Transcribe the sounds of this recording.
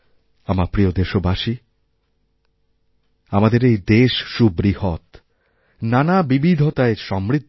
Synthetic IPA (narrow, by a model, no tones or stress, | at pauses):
amaɾpɾiod̪eʃobaʃi | amad̪eɾejd̪eʃʃubɾihot̪ | nanabibid̪ʱot̪aeʃɔmɾid̪